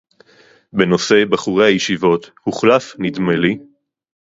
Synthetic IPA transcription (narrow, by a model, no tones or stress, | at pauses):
be̞no̞se̞baχuʁehajeʃivo̞t̪huχlafnit̪meli